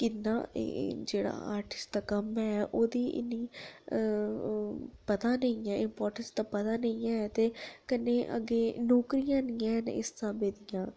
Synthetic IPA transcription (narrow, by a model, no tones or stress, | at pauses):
kɪnːã̰ːd͡ʒeːɽa̰ːa̰ːɾʈɪ̥sʈ̚d̪aːkəmɛːʔoːd̪iːʔɪ̰nːiː | pət̪ãːnəĩɛːɪmpɔːɾʈənsd̪aːpət̪ãːnəĩɛ̃ːt̪eːkənːeːʔə̰ɡeːnoːkɾijãːniːãːɦnɪ̰sːəbeːd̪ijãː